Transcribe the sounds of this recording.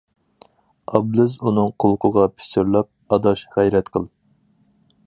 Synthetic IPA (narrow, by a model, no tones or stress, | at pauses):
ɑblɪzunɨŋqʰolˠqʰʊʁɑpʰy̥sɪɾlˠɑp̚ɑd̪ɑʃʁɛjɾɛt̪qʰəlˠ